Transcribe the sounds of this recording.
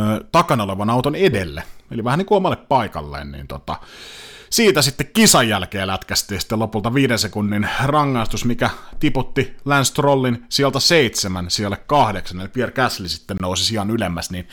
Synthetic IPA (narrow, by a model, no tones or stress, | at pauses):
t̪ɑkɑnoleʋɑnɑut̪onedelːḛḛliʋæhænikuomɑlːeppɑikɑ̰lːḛːnnḭːnt̪ot̪ɑ̰ | siːt̪æsit̪ːekkisɑjːælkeːlæt̪kæst̪ˑiːsi̥t̪ːelopult̪ɑʋiːdensekunːinrɑŋːɑist̪usmikæt̪iput̪ːilænst̪rolːinsiælt̪æseit̪semænsielːekkɑhdeksɑnelpierkæslisi̥t̪ːennousisiɑnylemːæsnin